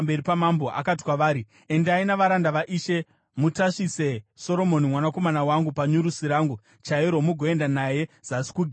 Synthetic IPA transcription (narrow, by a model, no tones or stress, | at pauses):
mbe̞ɾipamambo̞ʔa̰kati̥kwaʋaːɾi | endainaʋaɾandaʋaʔiːʃe̞ | mutaʂise̞so̞ɾo̞mo̞nimwanako̞manawaŋɡupaɲuɾusiɾaːŋɡu | t͡ʃaiɾo̞muɡʱo̞e̞ndanaje̞z̥asi̥kuɡʱ